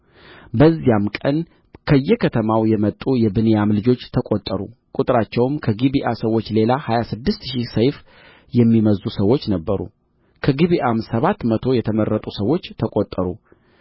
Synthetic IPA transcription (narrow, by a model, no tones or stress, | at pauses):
bəzːijamkʼən | kʰəjːɛkʰət̪ʰəmawjɛmət̪ʼujɛbɨnejamlɨd͡ʒo̞t͡ʃːt̪ʰəkʼot̪ʼːəɾukʼut̪ʼɾat͡ʃːɛwmkʰəɡiβiʔasəwːo̞t͡ʃːle̞lahajasɨd̪ːɨst̪ʃisəjf | jɛmːiməzːusəwo̞t͡ʃːnəbːəɾṵ | kʰəɡiβiʔamsəβat̪ːmət̪ʰo̞jɛt̪ʰəməɾːət̪ʼusəwo̞t͡ʃːt̪ʰəkʼot̪ʼːəɾu